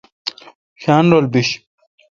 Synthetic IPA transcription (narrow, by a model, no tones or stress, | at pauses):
ɕaːnɾolbiɕ